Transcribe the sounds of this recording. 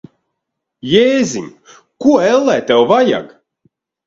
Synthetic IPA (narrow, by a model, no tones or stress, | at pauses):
jeːzʲiɲʲ | kuɔɛlˠːɛːt̪ɛwvaja̰ɡ